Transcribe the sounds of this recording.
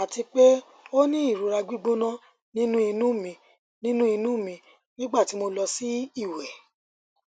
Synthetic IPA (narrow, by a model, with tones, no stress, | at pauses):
a˨ti˧k͡pe˦ | o˦nĩ˦i˦˨ɾu˨ɾa˧ɡ͡bi˦ɡ͡bo˦nã˦ | nĩ˦nũ˦i˧nũ˦˨mĩ˧ | nĩ˦nũ˦i˧nũ˦˨mĩ˧ | nĩ˦ɡ͡ba˦˨ti˨˦mo˧lɔ˧si˦i˦˨wɛ˨